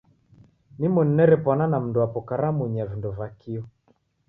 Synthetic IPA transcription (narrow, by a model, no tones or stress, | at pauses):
nimwɛn̩nɛɾɛpwananam̩nduapɔkaɾamuɲavindɔvakiɔ